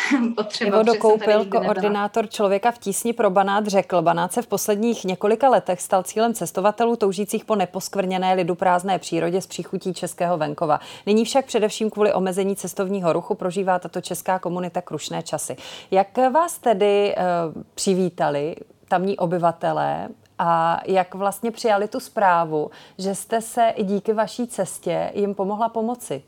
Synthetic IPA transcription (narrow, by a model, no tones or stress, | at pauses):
t̪ɪvodokowpɪlkoʔoɾdɪnaːt̪o̞ɾt͡ʃlovjɛkafciːsɲɪpɾo̞banaːt̪rɛkl̩banaːt̪sɛfpo̞slɛdɲiːxɲɛko̞lɪkalɛt̪ɛxst̪alt͡siːlɛmt͡sɛst̪o̞vat̪ɛluːt̪o̞wʒiːt͡siːxpo̞nɛpo̞skvr̩ɲɛnɛːlɪdupɾaːznɛːpr̝̥iːɾo̞ɟɛspr̝̥iːxuciːt͡ʃɛskɛːɦo̞vɛŋko̞va̰nɪɲiːfʃak̚pr̥ɛdɛfʃiːmkvuːlɪʔo̞mɛzɛɲiːt͡sɛst̪o̞vɲiːɦo̞ɾuxupɾo̞ʒiːvaːt̪at̪o̞t͡ʃɛskaːko̞munɪt̪akɾuʃnɛːt͡ʃasɪjakvaːst̪ɛdɪ | pr̥ɪviːt̪alɪ | t̪amɲiːʔo̞bɪvat̪ɛlɛ̰ː | ʔajakvlast̪ɲɛpr̥ɪjalɪt̪uspɾaːvuʒɛst̪ɛsɛʔɟiːkɪvaʃiːt͡sɛscɛ̰jɪmpo̞mo̞ɦlapo̞mo̞t͡sɪ